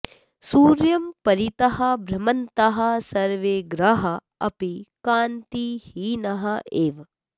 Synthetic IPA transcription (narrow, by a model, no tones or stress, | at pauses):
suːɾjɐmpɐɾit̪ɐɦɐbʱɾɐmɐnt̪ɐɦɐsɐɾʋeːɡɾɐɦɐ | ɐ̰pikaːnt̪ihiːnɐɦɐʔeːʋ